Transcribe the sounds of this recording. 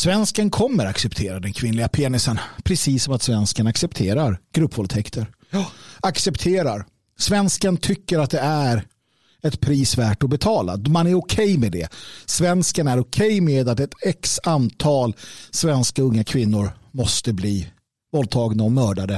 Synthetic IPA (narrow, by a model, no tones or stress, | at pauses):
svɛnskənkʰɔmːəɾaksɛpt̪ʰeːɾad̪ɛnkʰvɪnlɪɡapʰeːnɪsənpʰɾɛsiːsːɔmat̪svɛnskanaksɛpt̪ʰeːɾaɾɡ̥ɾɵpːvɔlt̪ʰɛkt̪ʰəɾ | aksɛpt̪ʰeːɾaɾ | svɛnskant̪ʰʏkːəɾat̪̚d̪ɛæɾ | ɛt̪pʰɾiːsvæːʈɔbɛt̪ʰɑːla̰manæɾʊkʰɛjmɛd̪ɛ̰svɛnskanæɾɔkʰɛjmeːd̪at̪ɛt̪ɛksant̪ʰɑːlsvɛnskaɵŋːakʰvɪnːʊɾmɔst̪əbliː | vɔl̚t̪ʰɑːɡnaɔmœːɖad̪ə